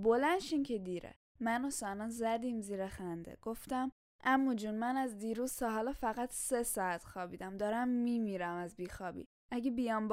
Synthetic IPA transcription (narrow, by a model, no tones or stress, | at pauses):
bolænʃincʰed̪iɾḛ | mænosænɒnzæd̪iːmziːɾexænd̪ḛɡ̥o̞ft̪æm | ʔæmːud͡ʒunmænæzd̪iːɾuːz̥t̪ʰɒɦɒːlɒfæɣæt̪ʰsesɒːæt̪xɒːbiːd̪æmd̪ɒːɾæmːimiːɾæmæzbiːxɒːbḭː | æɟebijɒmb